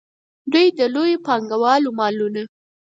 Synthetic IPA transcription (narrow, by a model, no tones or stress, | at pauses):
d̪ujd̪əlojopɑŋɡawɑlumɑluna